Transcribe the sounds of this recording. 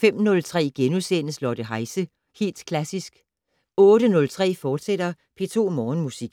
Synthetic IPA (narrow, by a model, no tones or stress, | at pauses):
fem̰nɔ̽lt͡sʰʁɛ̰ːɡ̥enusenəslɒd̥əɦɑ̈ɪsə | he̝̰ːld̥kʰlæsisɡ̥ | ɔ̽ːd̥ənɔ̽lt͡sʰʁɛ̰ːfɒːd̥sed̥ɐ | pʰe̝ːt͡sʰo̝̰ːmɒːn̩musiɡ̥